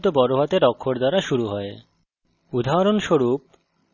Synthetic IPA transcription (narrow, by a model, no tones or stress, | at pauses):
t̪obɔɾoɦat̪eɾɔkʰːoɾd̪aɾaʃuɾuɦɔe | ud̪ʱaɾonʃoɾup̚